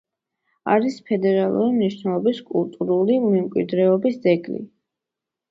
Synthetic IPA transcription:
aɾispʰɛd̪ɛɾalˠṵɾimniʃnɛlˠɔbiskʼulˠt̪ʼuɾulimɛmkʼwḭɾd̪ɾɛɔbisd̪zɛɡlḭ

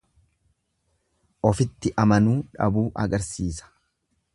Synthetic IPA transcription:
ʔɔfɪt̪ːɪʔɐmɐnuːᶑɐ̰buːʔɐɡɐɾsiːsɐ̥

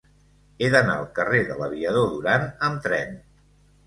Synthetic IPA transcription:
eðəna̰əlˠkəreðələβ̞iəð̞oðuɾanəmt̪ɾɛn

